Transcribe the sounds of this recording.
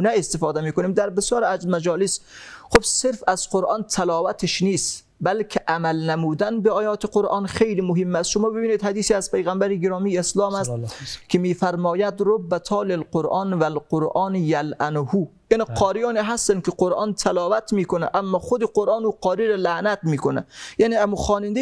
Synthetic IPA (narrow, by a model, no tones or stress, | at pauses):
næest̪efɒːd̪æmiːkoniːmd̪æɾbesjɒːɾæzzmæd͡ʒɒːlisxobseɾfæz̥qoɾʔɑːnt̪ʰælɒːvæt̪ʰeʃniːst̪ | bælkʰeʔæmælnæmuːd̪ænbeɒːjɒːt̪ʰeqoɾʔɑːnxejliːmoɦemːæst̪ʃomɒːbebiːniːd̪hæd̪iːsiæz̥pejɣæmbæɾiɡeɾɒːmijeslɒːmæst̪kʲʰemiːfæɾmɒːjæd̪ɾobːæt̪ʰɒːlelqoɾʔɑːnvælqoɾʔɑːnjælʔænhuːjæːniqʰɒːɾijɑːniɦæst̪ænd̪̚keqoɾʔɑːnt̪ʰælɒːvæt̪miːkonæʔæmːɒːxod̪eqoɾʔɑːnuːqʰɒːɾiːɾɔlæʔnæt̪miːkonæ̰jæːniæmuxɒːnind̪e